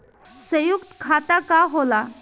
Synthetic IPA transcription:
səjukt̪kʰat̪akaɦola

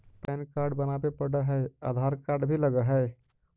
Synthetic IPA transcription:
pɛːnkaːɾɖbɐnapepəɽaɦɛa̰ːd̪ʱaːɾkaːɾɖbʱilɐɡaɦɛː

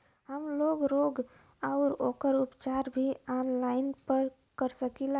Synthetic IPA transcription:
ɦəmloːɡɾoːɡ | aʊɾoːkəɾupt͡ʃaɾbʱiaːnlaɪnpəɾ | kəɾsəkila

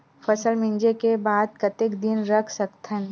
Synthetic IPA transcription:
fɐsəlmɪ̃nd͡ʒekebaːd̪̚kɐt̪ɪkd̪ɪnɾɐkʰsɐkt̪ʰən

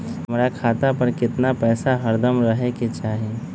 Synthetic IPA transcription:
əmɾakʰaːt̪apəɾkɪt̪napɛːsaɦəɾd̪əmɾəɦeket͡ʃaːɦe

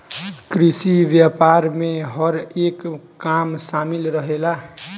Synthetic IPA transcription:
kɾisibjapaɾmeɦʌɾekː | amsamilɾʌɦela

